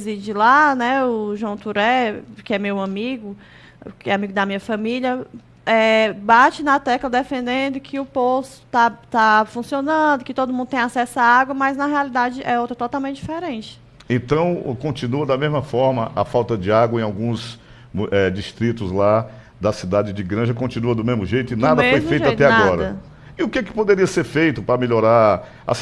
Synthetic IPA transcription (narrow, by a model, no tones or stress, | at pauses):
zid͡ʒɪlanɛʊʒwɐ̃w̃t̪uɾɛkɪɛmewɐ̃miɡʊ | kɪɛamiɡʊd̪ɐmĩɲɐfɐ̃miljɐ | ɛbat͡ʃɪnɐt̪ɛklɐd̪efẽnd̪ẽnd̪ʊkʰɪʊposʊ̥t̪at̪afũsionɐ̃d̪ʊkɪt̪od̪ʊmũnd̪ʊt̪ẽj̃asɛsʊaaɡwɐmɐjznɐɦealid̪ad͡ʒɪʔɛowt̪ɾɐt̪ɔt̪awmẽtt͡ʃɪd͡ʒifeɛɾẽt͡ʃɪ̥ | ẽnt̪ɐ̃w̃kõnt͡ʃĩnuɐd̪ɐmezmɐfɔɾmɐʔɐfawt̪ɐd͡ʒɪaɡwɐẽawɡũs | ɛd͡ʒiʃt̪ɾit̪ʊzla | d̪ɐsid̪ad͡ʒɪd͡ʒɪɡɾɐ̃ʒɐkõnt͡ʃĩnuɐd̪ʊmezmʊʒejt̪ʊɪnad̪ɐfojfejteʊajt̪ɛaɡɔɾɐ | ɪʊkɛkɪ̥pod̪eɾiɐseɾfejt̪ʊpɾɐmeʎoɾaɾ | ɐ̰s